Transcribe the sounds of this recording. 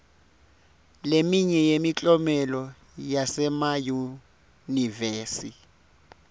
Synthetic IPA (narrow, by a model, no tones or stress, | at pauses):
lemiɲɛjemit͡ɬʼɔmɛlɔ | jasɛmaju | niveːsi